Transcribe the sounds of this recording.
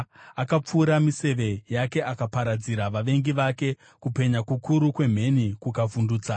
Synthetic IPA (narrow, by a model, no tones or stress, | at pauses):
akap͡fuːɾamise̞ʋe̞jake̞ʔakapaɾad͡ziɾaʋaʋe̞ŋɡiʋake̞ | kupe̞ɲakukʰuɾukwe̞m̤e̞nikukavunduːt͡sa